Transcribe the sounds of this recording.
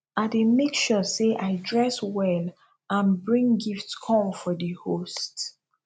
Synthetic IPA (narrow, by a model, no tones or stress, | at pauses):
aɪdemekʃɔseʔaɪdɹɛswɛl | ãnbɹĩŋɡiftskʰɔ̃mfɔdəhost